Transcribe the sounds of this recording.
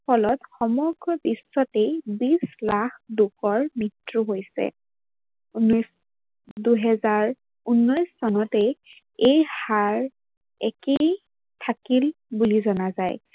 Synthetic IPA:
pʰɔlɔtxɔmɔɡɹɔbisːɔtejbislaxʰdukɔɹmitɹuɦojsɛ̰ | unɔjs | duɦɛzaɹ | unːɔjsːɔnɔte | ejhaɹ | ɛkej | tʰakilbulizɔnazaj

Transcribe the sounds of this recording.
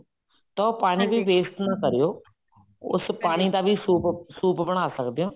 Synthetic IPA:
t̪ɔ̃ːpaːɽ̃ĩːbʱiːʋeːst̪naːkəɾijoː | ʊ̰spaːɽ̃iːd̪aːʋʱiːsuːpsuːpbəɽ̃aːsəkd̪eõː

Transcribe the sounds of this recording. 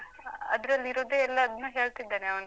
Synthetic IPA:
ɐd̪ɐɾɐlːiɾoːd̪eːɛlːɐːd̪ɐnːuːɦeːɭt̪id̪ːaːneɐʋɐnd̪

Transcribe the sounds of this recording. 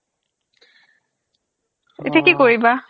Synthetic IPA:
ḛtʰekikoɹiba

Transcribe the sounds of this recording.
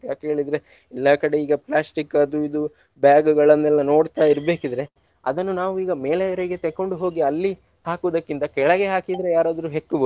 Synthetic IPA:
jaːkɦe̞ːɭid̪ɾe̞ | ɛlːaːkɐɽe̞iːɡɐplaːsʈikːɐd̪uid̪u | bjaːɡuɡɐɭɐnːɛlːɐno̞ːɽt̪aːiɾbe̞ːkid̪ɐɾe̞ | ɐ̰d̪ɐnːunaːʋuiːɡɐmeːlɐjɐɾiɡe̞t̪ɛkːoɳɖuɦo̞ːɡiɐlːi | haːkuːd̪ɐkːint̪ɐkɛɭɐɡe̞ɦaːkid̪ɐɾejaːɾaːd̪ɐɾuɦekːubɐd̪u

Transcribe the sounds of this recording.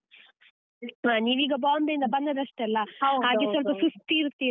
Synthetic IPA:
ɦaːniːʋiːɡɐbaːmd̪eind̪ɐbɐnd̪ɐd̪ɐʂʈelːɐɦaːɡesɔlpɐsust̪ːiːɾt̪ːiː

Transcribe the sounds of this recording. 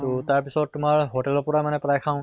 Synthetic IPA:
tɔtaɹpisɔt̚ːʊmaɹɦotɛlɔpɔɹamanɛpɹajkʰãʊ̃

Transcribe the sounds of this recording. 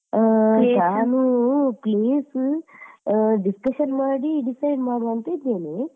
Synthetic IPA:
kaaːnupliːs | ɖiskɐʃɐnmaːɽiɖisɐjɖmaːɽuɐnt̪eːd̪eːne

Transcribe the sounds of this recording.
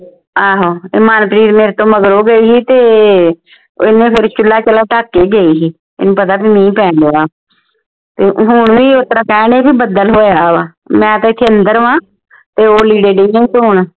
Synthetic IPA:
aːɦoːɪmaːnpɾiːɾmeːɾet̪õːməɡɾoːɡəiːɦiːt̪eː | ɪnẽːpʰɪɾt͡ʃʊlːaːt͡ʃəlaːʈaːkːeːɡəiːɦiː | ḛːnũːpət̪aːbiːmɛ̃ĩːpɛ̃ːɳdeːaː | t̪eːɦʊɳʋiːot̪ɾaːkɛːɳeːbiːbəd̪əlɦoːjaːʋaː | mɛ̃ːt̪ãːɪt̪ʰːeːənd̪əɾʋãː | t̪eːoːliːɖeːɖejãːt̪ːɦʊɳ

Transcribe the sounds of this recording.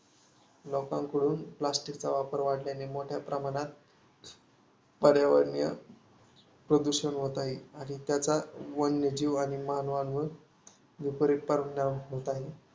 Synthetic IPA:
lɔkãŋkəɽuːnplasʈikt͡saʋapəɾʋaɽljanemoʈʰjapɾəmaɽ̃at̪̚ | pəɽjaʋəɽɳjə̰ | pɾəd̪uɕənɦot̪aɦiañit̪jat͡saʋənjəd͡ʑiʋaɽ̃iməɦanʋanʋəɾ | ʋipəɾiʈ̚pəɾnaɦot̪aɦe

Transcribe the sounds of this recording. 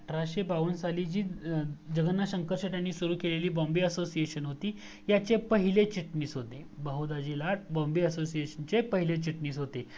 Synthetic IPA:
ʈɾaɕepaʋənsaliːd͡ʑiːd͡ʑəɡənːaɕəŋkəɾɕəʈ̪janːiːsuɾuːkeleliːbɔmbiːəsosieɕənɦot̪iː | jat͡sepəɦilet͡ɕiʈniːsɦot̪ebəɦod̪ad͡ʑilaʈ̚bɔ̃mbiːəsosieɕənt͡sepəɦilet͡ɕiʈniːsɦot̪e

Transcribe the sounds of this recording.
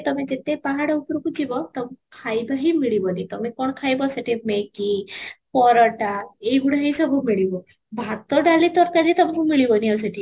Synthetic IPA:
t̪əmĩd͡ʑet̪epaɦaɽəupɾukud͡ʑibɔt̪əmikʰajbaɦimiɭibənit̪əmikoɳkʰajbasaʈʰimekipɔɾəʈaeɡuɽ̤aɦisəbɔmiɭibɔ | bʱat̪ɔɖalit̪ɔɾk̪ad͡ʑit̪əm̤ikumiɭibənias̬aʈʰi

